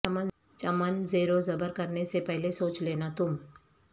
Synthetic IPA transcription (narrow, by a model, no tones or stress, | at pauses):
mən | t͡ʃɐmənzeːɾozɐbəɾkɐɾnesepɛɦlesoːt͡ʃleːnat̪ʊm